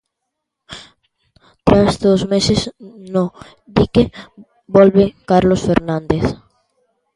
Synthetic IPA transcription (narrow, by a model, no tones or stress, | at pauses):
t̪ɾazd̪ozmesezno | d̪ike | bɔlβekaɾlosfeɾnãnd̪eθ